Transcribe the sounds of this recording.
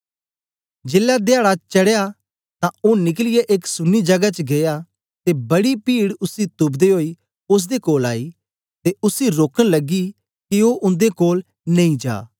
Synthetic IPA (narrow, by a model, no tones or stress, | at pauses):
d͡ʒeːlːad̪aːɽat͡ʃɐɽeja | t̪ãonɪk̬lɪjeʔeːksʊnːid͡ʒɐɡat͡ʃɡeja | t̪ebɐɽipiːɽʊsit̪ʊbd̪eɦoːi | ʊs̬d̪ekoːla̰ːi | t̪eʊsiɾoːkənlɐɡi | kioʔʊ̃nd̪ekoːl | nɐ̃ĩd͡ʒa̰ː